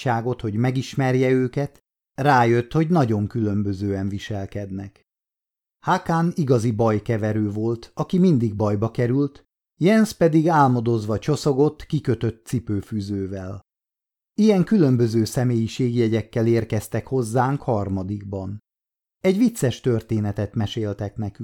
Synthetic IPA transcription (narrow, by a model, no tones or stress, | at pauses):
aːɡo̞t̪ho̞ɟmɛɡiʃmɛrjɛøːkɛt̪ | raːjø̞t̪ho̞ɟnɒɟo̞ŋkylø̞mbøzøːɛɱviʃɛlkɛd̪nɛk | hakaniɡɒzibɒjkɛvɛɾøːvo̞lt̪ɒkimind̪iɡ̚bɒjbɒkɛɾylt̪ | jɛnspɛd̪iɡaːlmod̪o̞zʋɒt͡ʃo̞so̞ɡot̪ːkikø̞t̪ø̞t̪ːsipøːfyːzøːvɛl | ijɛŋkylø̞mbø̞zøːsɛmeːjiʃeːɡijɛɟɛkːɛleːrkɛst̪ɛkho̞zːaːŋkhɒrmɒd̪iɡbɒn | ɛɟʋit̪sɛʃt̪ørt̪eːnɛt̪ɛt̪mɛʃeːlt̪ɛknɛky